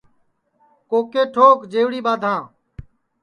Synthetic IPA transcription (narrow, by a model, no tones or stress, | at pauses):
koːkeːʈʰoːkd͡ʒeːʋɽiːɓaːd̪ʱãː